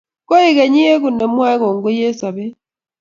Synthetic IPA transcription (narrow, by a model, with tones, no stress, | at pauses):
ko˦i˦ke˨ɲi˦e˦ku˨ne˨mwa˦ko˨ŋɡu˦je˦sa˨βe˦